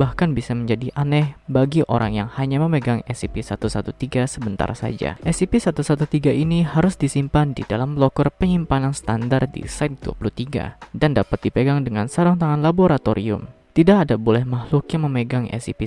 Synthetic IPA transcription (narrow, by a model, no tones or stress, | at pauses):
bahkanbisaməɲd͡ʒadiʔanɛhbaɡiʔo̰ɾa̰ŋjaŋhaɲaməməɡaŋɛsipisat̪usat̪ut̪iɡasəbənt̪a̰rsa̰d͡ʒa̰ʔɛsipisat̪usat̪ut̪iɡaʔiniɦaɾʊsdisimpandḭdalamlokɔrpəɲimpanansə̥t̪andardḭsaɪt̪̚d̥ua̰puluht̪iɡa̰dandapat̪̚dipəɡaŋdəŋansaɾɔŋt̪aŋanlaboɾat̪oɾḭʊ̰mt̪idakadabolɛhmahlʊkjaŋməməɡaŋɛ̰sipi